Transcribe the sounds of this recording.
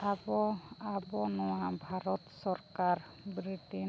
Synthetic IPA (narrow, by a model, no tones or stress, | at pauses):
abɔabɔnɔwabʱaɾɔt̪sɔɾkaɾ | bɾiʈi